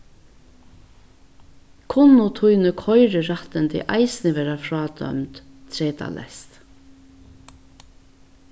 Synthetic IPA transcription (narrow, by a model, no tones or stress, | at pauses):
kʰʊnːʊt̪ʰuʏnəkʰɔʏɹəɹat̪ənt̪ʰɛ̰ʔɑɪsnɪʋeːɾafɹɑːd̪œ̰mt̪ | t̪ʰɾeːt̪a̰lʔɛ̰st̪